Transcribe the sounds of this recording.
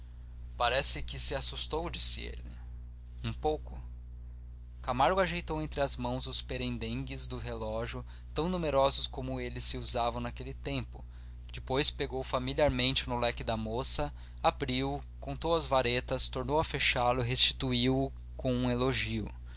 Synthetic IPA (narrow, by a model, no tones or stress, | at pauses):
paɾɛsɪkɪsɪasust̪owd͡ʒisɪḛlɪ | ũpowkʊ | kamaɾɡʊaʒejt̪owẽnt̪ɾɪazmɐ̃w̃zʊspeɾẽnd̪ẽŋɡɪzd̪ʊɦelɔʒjʊ | t̪ɐ̃w̃numeɾɔzʊskõmʊelɪsɪuzavɐ̃w̃nakelɪt̪ẽmpʊ̥ | d͡ʒɪpojspeɡowfamiliaɾmẽnt͡ʃɪnʊlɛkɪd̪ɐmosɐ | abɾiw | kõnt̪owɐzvaɾet̪ɐst̪oɾnowɐfeʃalʊiɦest͡ʃi̥t̪uiwʊ | kõũeloʒiʊ̰